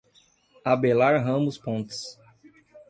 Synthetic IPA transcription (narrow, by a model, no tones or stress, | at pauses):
abelaɾɦɐ̃mʊspõnt̪ɪ̥s